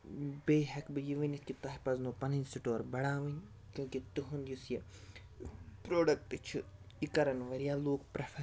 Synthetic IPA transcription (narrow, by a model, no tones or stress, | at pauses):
beːɦɛkbɨjiʋɐnʲit̪kit̪ɐɦpɐznoːpɐninʲsiʈoːɾbɐɽaːʋɐnʲ | kʲjũːkit̪uɦund̪jusje | pɾoːɖɐk̚ʈɨt͡ʃʰu | ikɐɾɐnʋɐɾijaloːkpɾɐfʰɐ